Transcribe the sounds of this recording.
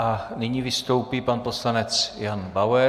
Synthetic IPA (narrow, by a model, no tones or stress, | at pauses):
ʔanɪɲivɪst̪o̞wpiːpanpo̞slanɛt͡sjanbawɛ